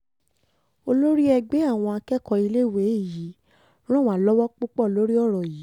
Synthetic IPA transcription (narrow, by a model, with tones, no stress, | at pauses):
o˧lo˦ɾi˦ɛ˧ɡ͡be˨˦a˦˨w̃ɔ̃˧a˧kɛ˦kɔ˧i˧le˦˨we˨˦i˦˨ji˨˦ | ɾ̃ɔ̃˦˨wa˨lɔ˦wɔ˦k͡pu˦k͡pɔ˦˨lo˦ɾi˦ɔ˦˨ɾɔ˨jiː˨˦